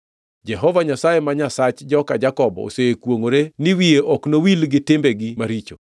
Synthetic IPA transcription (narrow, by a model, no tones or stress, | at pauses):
d͡ʒɛɦɔvaɲasajemaɲasat͡ʃd͡ʒɔkad͡ʒakɔbɔ̰o̰sekwoŋoɾenɪwieʔɔknowilɡɪtɪmbeɡimaɾit͡ʃo